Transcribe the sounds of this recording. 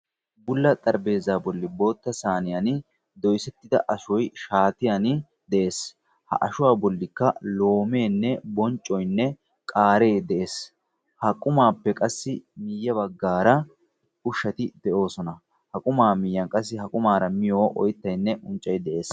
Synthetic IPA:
bʊlːɐt̪ʼɐɾbe̞ːzaːbɔlːɪbo̞ːt̪ːɐsaːnɪjɐnɪ | d̪ɔjsɛt̪ːɪd̪ɐ̰ʔɐʃɔjʃaːt̪ɪjɐnɪ | d̪ɛʔe̞ːs | hɐ̰ʔɐʃʊwaːbɔlːɪkːɐlo̞ːme̞ːnːɛbɔnt͡ʃʼːɔjnːɛ | kʼaːɾe̞ːd̪ɛʔeːs | hɐkʼʊmaːpːɛkʼɐsːɪmɪjːɐbɐɡːaːɾɐ | ʊʃːɐt̪ɪd̪̥ɛʔo̞ːsɔnɐ | hɐkʼʊmaːmɪjːɐnkʼɐs̬ːɪhɐkʼʊmaːɾɐmɪjoːʔɔ̰jt̪ːɐjnːɛʔʊnt͡ʃʼːɐjd̪ɛʔe̞ːs

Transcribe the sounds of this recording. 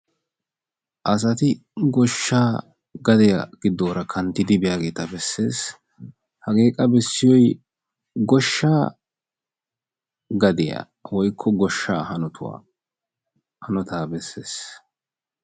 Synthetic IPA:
ʔɐs̬ɐt̪ɪɡɔʃːaː | ɡɐd̪ɪjɐ̰ɡ̥ɪd̪ːoːɾɐkʰɐnt̪ːɪd̪ɪbɛjaːɡe̞ːt̪ɐbɛsːe̞ːs | hɐɡeːkʼɐbɛsːɪjɔj | ɡɔʃːaː | ɡɐd̪ɪja̰ | wɔjkʰːɔɡɔʃːaːhɐnɔt̪ʰʊwa̰ː | hɐnɔt̪aːbɛsːe̞̰ːs

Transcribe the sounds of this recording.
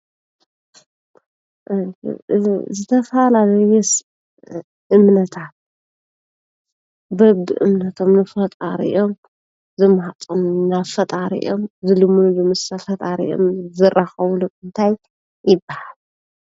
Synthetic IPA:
ʔ | zɨt̪ʰɐfɐlalɐjɛs | ʔɨmnɐt̪ʰat̪̚ | bɐbd̪ɨʔɨ̰mnɐt̪ʰo̞mnɨfɐt̪ʼaɾḭʔo̞m | zɨmhat̪ʼonnafɐt̪ʼaɾḭʔomzɨlɨmunulɨmt̪ʰɐfɐt̪ʼaɾḭjʔo̞̰mzɨrʔaxɐwluʔɨnt̪ʰajː | ɪbːahal

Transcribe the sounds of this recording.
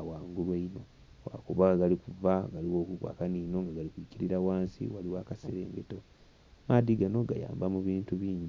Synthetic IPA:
awaːŋɡulweino̞ | wa̰kuβaɡalikuvaɡaliwo̞ːkukwa̰ːkaniːno̞ŋɡaɡalikwiːciɾiɾawaːnsḭwaliwaːkaseɾḛːŋɡe̞to̞ | maːd̪iɡano̞ɡaja̰ːmbamuβiːntuβiːɲɟi

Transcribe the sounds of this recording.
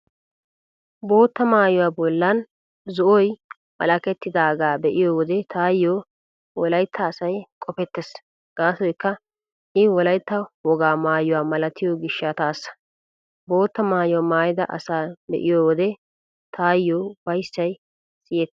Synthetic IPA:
bo̞ːt̪ːɐmaːjʊwaːbɔlːɐn | zɔʔɔj | mɐ̰lɐkɛt̪ːɪd̪aːɡaːbɛʔɪjoːwɔd̪ɛt̪ʰaːjːoː | wɔlɐjt̪ʰːɐːsɐjkʼɔpɛt̪ːɛs | ɡ̥aːsɔjkːɐ | ʔɪwɔlɐjt̪ːɐwɔɡaːmaːjʊwaːmɐlɐt̪ɪjoɡɪʃːɐt̪aːsːɐ̥ | bo̞ːt̪ːɐmaːjwmaːjɪd̪ɐ̰ʔɐ̰saːbɛ̰ʔɪjoːwɔd̪ɛ | t̪ʰaːjːoːbɐjsːɐj | sɪjɛt̪ː

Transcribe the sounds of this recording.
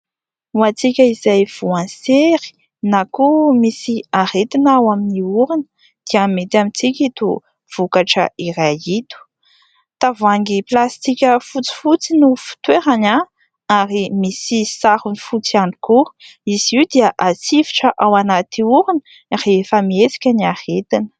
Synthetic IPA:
uat͡sikʲəizajv̥uãnseɾi̥ | nakumisiaɾet̪inawaminiuɾinə | d̪̥iamet̪amit͡sikʲit̪u | v̥ukaʈ͡ʂə̰iɾait̪u̥ | t̪avuaŋɡiplast̪ikʲəfut͡si̥fut͡sinufu̥t̪weɾana | aɾimisisaɾunifut͡siani̥kuiz̥iwd̪iəʔasiviʈ͡ʂəʔawanat̪iuɾin | refəmiet͡si̥kʲəniahet̪inə̥

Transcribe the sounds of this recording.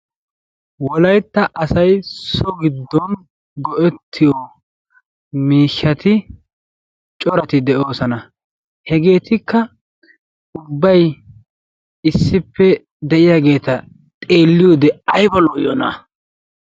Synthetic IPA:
wɔlɐjt̪ːɐʔɐsɐjsɔɡɪd̪ːɔn | ɡɔʔɛt̪ʰːɪjɔ | miːʃːɐt̪ɪ | t͡ʃʼɔɾɐt̪ɪd̪ɛʔo̞ːsɐnɐ | hɛɡe̞ːt̪ɪkːɐ | ʊbːɐj | ɪsːɪpːɛ | d̪ɛʔɪjaːɡe̞ːt̪ɐ | t̪ʼe̞ːlːɪjɔd̪ɛɐjbɐlɔjɔna̰

